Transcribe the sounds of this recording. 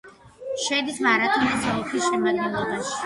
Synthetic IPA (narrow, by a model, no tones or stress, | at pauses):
ʃɛd̪ismaɾat̪ʰʼunɛd̪zɔɔpʰisʃɛmad̪̚ɡɛlˠɔbaʃi̥